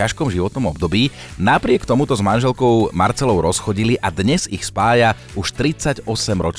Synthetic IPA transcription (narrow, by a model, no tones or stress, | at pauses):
aʃkɔmʒiʋɔt̪nɔmɔbd̪ɔbiː | napɾɪɛkt̪ɔmut̪ɔzmanʒɛlkɔʊma̰ɾt͡sɛlɔʊɾɔsxɔɟiliʔad̪ɲɛzixspaːja | uʃt̪ɾit͡saɟɔsɛmɾɔt͡ʃ